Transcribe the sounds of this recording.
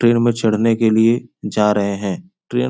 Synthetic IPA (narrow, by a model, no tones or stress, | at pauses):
ʈɾeːnmẽt͡ʃʰɐɽ̤nekelied͡ʒaːɾɐɦeɦɛ̃ː | ʈɾeː